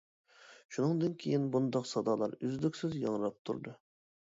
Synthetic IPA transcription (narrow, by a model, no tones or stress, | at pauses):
ʃunɨŋd̪ɨnkʲʰejɪnbund̪ɑqsɑd̪ɑlˠɑ̰ɾyzlykʲsɪzjɑŋɾɑp̚t̪ʰṵɾd̪ɨ